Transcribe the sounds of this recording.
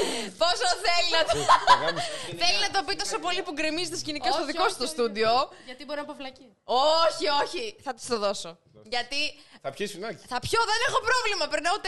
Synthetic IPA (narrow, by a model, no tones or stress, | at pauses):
po̞soθelinɐt̪ | θe̞linɐt̪o̞pit̪o̞so̞po̞lipuɡɾimizet̪escinikɐst̪oðikosɐ̥st̪ost̪ud̪io̞ʝɐt̪ibo̞ɾinɐpɐflɐci | oçio̞çiθɐt̪i̥st̪oðo̞so | ʝɐt̪iθɐpçisnɐθɐpço̞ðe̞ne̞xo̞pɾo̞vlimɐpɾinɐut̪e